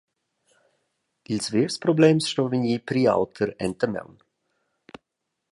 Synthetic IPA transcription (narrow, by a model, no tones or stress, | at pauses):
ilsveːɾspɾobleːmsʃtoːviniːpɾiːa̰wt̪ʰəɾɛnt̪əmɛ̰wn